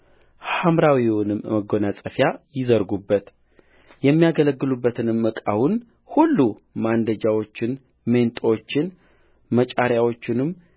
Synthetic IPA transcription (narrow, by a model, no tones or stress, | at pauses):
hamɾawiwonɨmməɡo̞nasʼəfjajɪzəɾɡubːət̪ | jɛmːijaɡələɡːɨlubːət̪ʰɨnɨmːəkʼa̰wun | hulːumand̪əd͡ʒawo̞t͡ʃːɪn | me̞nt̪ʼot͡ʃːɪn | mət͡ʃʼaɾjawo̞t͡ʃːɪnɨm